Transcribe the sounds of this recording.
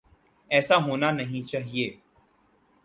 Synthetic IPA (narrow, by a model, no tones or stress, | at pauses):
ɛːsaɦoːnanɐɦĩt͡ʃaːɦieː